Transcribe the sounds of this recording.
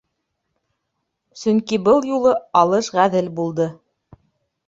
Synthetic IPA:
sɵŋkibɤlˠjulˠɤɑlˠɤʃʁæðɘlbulˠd̪ɤ

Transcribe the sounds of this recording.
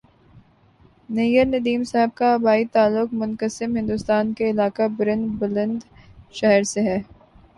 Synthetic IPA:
nejəɾnɐd̪iːmsaɦəb̚kaɐbaːit̪aːlːʊkmʊ̃nkəsɪmɦɪ̃nd̪ʊst̪aːnkeɪlaːkabʊɾə̃nd̪bʊlə̃nd̪ʃɛɦəɾseɦɛː

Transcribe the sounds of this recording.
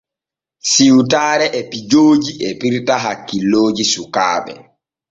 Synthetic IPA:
siwtaːɾɛʔɛpid͡ʒoːd͡ʒiʔɛpiɾtaɦakːilːoːd͡ʒisuka̰ːɓɛ̰

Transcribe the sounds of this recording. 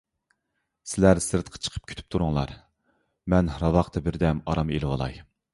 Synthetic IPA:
sɪlæɾsɨɾt̪qʰɑ̥t͡ʃʰə̥qʰə̥p̚kʲʰy̥t̪ʰy̥p̚t̪ʰuɾʊŋlˠɑ̰ɾ | mɛnɾɑvɑqt̪ʰɑbɪɾd̪ɛmɑɾɑmelɪwɑlˠɑ̰j

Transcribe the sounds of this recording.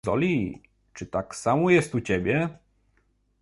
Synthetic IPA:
ɔ̰lʲi | t͡ʂɘt̪aksamɔjɛst̪ut͡ɕɛbʲjɛ

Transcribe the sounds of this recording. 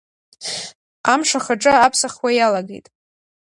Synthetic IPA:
amʂaχaʈ͡ʂʼɨapʰsaχwajalaɡejtʼ

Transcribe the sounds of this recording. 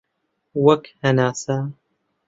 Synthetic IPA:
wɐkhɐnaːsa

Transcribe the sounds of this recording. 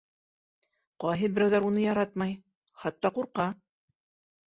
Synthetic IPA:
qɑjɦɤbɘ̆ɾæwðæɾunɤjɑɾɑt̪mɑj | χɑt̪ːɑquɾqɑ

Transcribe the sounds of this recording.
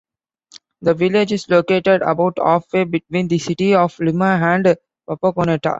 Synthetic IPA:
d̪əʋɪled͡ʒɪzloːkeːʈeɖə̰baʊʈʰɔ̰ːfeːbɪʈʋĩːnd̪isiʈiɔʋliməæ̃ɳɖ | pɐpəkoneʈa̰

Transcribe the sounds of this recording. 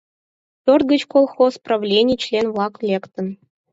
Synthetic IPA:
pʲørt̪̚ɡə̆t͡ɕkolˠxospravlʲenʲit͡ɕlʲenvlˠɑklʲekt̪ɤ̆n

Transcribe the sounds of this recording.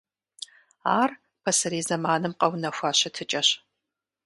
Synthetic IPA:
aːr | pʰɐsɐɾiːzɐmaːnɨmqʼɐwnɐxʷaɕɐtʰɨt͡ʃʼɐɕ

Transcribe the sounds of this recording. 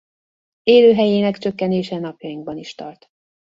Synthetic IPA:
eːløːɦɛjeːnɛkt͡ʃø̞kːɛneːʃɛnɒpjɒjiŋɡ̚bɒniʃt̪ɒ̰rt̪

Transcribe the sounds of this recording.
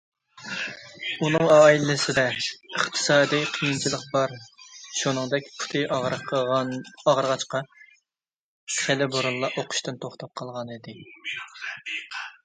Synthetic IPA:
unɨŋɑːilɪsɪd̪ɛəχt̪ʰɨ̥sɑːd̪ɨjqʰijint͡ʃʰilˠəqbɑɾʃunɨŋd̪ɛkʲpʰʊ̥t̪ʰɨ | ɑʁəɾʁɑt͡ʃqɑ | χelɪboɾulˠlːˠɑʔoqʰʊ̥ʃt̪ɨnt̪ʰoχt̪ɑp̚qʰɑlˠʁɑnid̪ɪ

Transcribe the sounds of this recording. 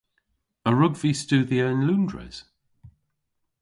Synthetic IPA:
əɹʊɡviːstʉːðiəɪ̃nlʉ̃ːndɹɛ̰z̥

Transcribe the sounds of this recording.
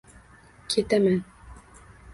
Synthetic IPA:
kʰit̪æmæn

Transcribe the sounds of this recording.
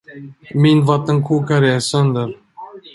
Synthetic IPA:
mɪnvat̪ːənkʰuːkaɾɛsœnd̪əɾ

